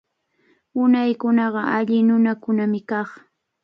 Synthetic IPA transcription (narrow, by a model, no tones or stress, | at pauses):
ʊnajkʊnɑɢɑʔaʎɪnʊnakʊnamɪkɑχ